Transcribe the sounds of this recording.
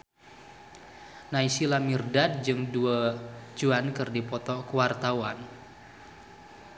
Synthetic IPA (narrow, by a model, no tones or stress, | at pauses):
naisilamirdad̚d͡ʒɨŋduad͡ʒuankɨrdipɔt̪ɔkəwart̪awan